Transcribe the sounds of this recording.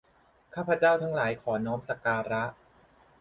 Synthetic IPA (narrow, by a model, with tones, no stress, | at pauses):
kʰaː˥˩pʰɾa˧t͡ɕaː˥˩wt̪ʰa˦˥ŋlaː˩˦jkʰɔː˩˦nɔː˦˥msa˨˧kaː˧ɾa˦˥ʔ